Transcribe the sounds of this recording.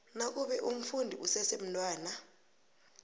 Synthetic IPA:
nak̬ʼuɓɛʔum̩fundʱiʔusɛsem̩ntʼwaːna

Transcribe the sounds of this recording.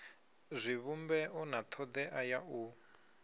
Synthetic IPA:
zʷiβumbɛʔɔnat̪ʰɔd̪ɛʔajau

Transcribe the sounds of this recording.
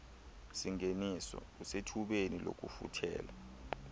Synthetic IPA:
siŋenisɔ̰usetʰuɓenilo̰k̬ʼṵfṵtʰɛ̰ːla

